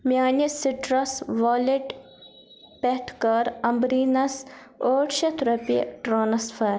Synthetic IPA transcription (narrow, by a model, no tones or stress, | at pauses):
mʲjaːnisiʈɾɐsʋaːleʈ | peʈkɐɾɐmbɾiːnɐsoːʈʃɐt̪ɾɐpiɐ̰ʈɾoːnɐsfɐːɾ